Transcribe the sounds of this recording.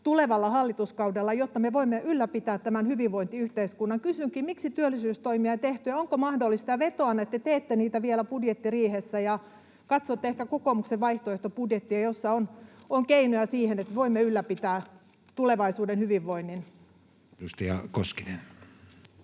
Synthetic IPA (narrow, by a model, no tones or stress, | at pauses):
t̪uleʋɑlːɑhɑlːit̪uskɑudelːɑjot̪ːɑmeʋoimːeʔylːæpit̪æːt̪t̪ːæmænhyʋiʋʋoint̪iyht̪eiskunːɑŋkysyŋkiːmiksit̪yølːˑisyːst̪oimiɑit̪eht̪yjæoŋkomɑhdolːˑist̪ɑʋet̪oɑnːɑet̪ːet̪eːt̪ːeniːt̪æʋielæpudjet̪ːiriːhesːæjɑ | kɑt̪soːt̪ːeehkækokomukseʋʋɑiht̪oeht̪opudjet̪ːiɑjosːɑonoŋkeinojæsiːhenet̪meʋoimːeylːæpit̪æː | t̪uleʋɑisuːdenhyʋiʋːoinːin | just̪iɑ̰koskinen